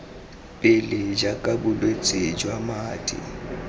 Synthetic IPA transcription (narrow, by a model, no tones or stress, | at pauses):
pʼɪlɪd͡ʒakʼabʊlwet͡sʼed͡ʒwamaːtʼɪ̰